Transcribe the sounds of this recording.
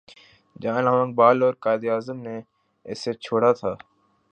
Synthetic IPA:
d͡ʒaːnəʋãːŋ̚baːlɔːɾkaːɪd̪iaːzəmneː | ɪset͡ʃʰoːɽat̪ʰaː

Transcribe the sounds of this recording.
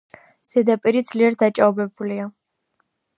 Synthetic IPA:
sɛd̪apʼiɾid̪z̥liɛɾd̪at͡ʃʼabɛbulia

